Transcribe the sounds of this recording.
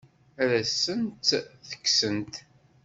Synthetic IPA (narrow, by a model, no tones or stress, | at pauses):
ɾæsənt̪θə̥kːsənt̪